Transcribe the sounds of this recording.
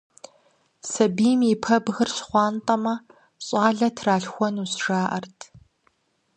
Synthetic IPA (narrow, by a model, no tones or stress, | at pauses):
sɐbiːmipʰɐbɣɨrɕχʷɑːntʼɐmɐ | ɕʼɑːɮɐtʰraːɬxʷɔnusʒaːʔɐrtʰ